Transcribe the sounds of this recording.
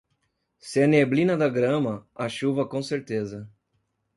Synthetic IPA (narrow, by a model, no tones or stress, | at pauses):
sɪɐneblĩnɐd̪ɐɡɾɐ̃mɐɐʃuvɐkõseɾt̪ezɐ